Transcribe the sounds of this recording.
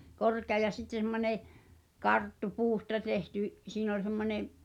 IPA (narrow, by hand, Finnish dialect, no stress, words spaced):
korkeɑ jɑ sitːe semːonʲe kɑrtːu puːstɑ tehty siːn ol semːonʲeʔ